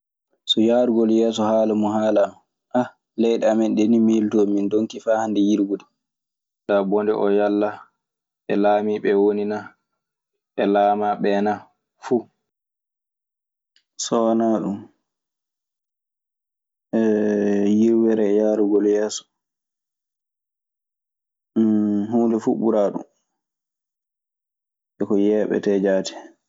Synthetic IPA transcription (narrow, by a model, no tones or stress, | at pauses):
sɔjaɾuɡɔljɛːsɔhaːlamuɦaːlam | ʔa | lɛjɗɛamɛnɗɛnimiltɔmindoŋkifaːhandɛjiɾɡudɛ | dabɔndɛ̰ʔɔjalːa | ʔɛlaːmiɓɛwonina | ʔɛlaːmaɓɛːna | fu | sɔwanaɗum | ɛjiɾwɛɾɛjaːɾuɡɔljɛːsɔ̥ | huːndɛfuɓuɾaːɗṵm | ʔɛkɔjɛːɓɛ̰tɛd͡ʒaːtɛ̥